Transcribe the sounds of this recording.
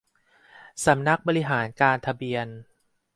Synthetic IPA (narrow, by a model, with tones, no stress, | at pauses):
sa˩˦mna˦˥k̚bɔː˧ɾi˦˥ɦaː˩˦nkaː˧nt̪ʰa˧bi˧ən